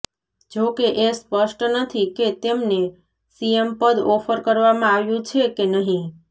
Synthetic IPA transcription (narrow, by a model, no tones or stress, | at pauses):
d͡ʒokeʔespəʃʈnət̪ʰiket̪emne | siempəd̪ɔfəɾkəɾʋamãaʋjũt͡ʃʰekenəɦĩ